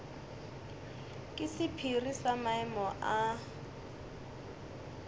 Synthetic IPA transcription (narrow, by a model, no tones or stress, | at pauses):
kʼɪsɪpʰirisamaɛmɔʔa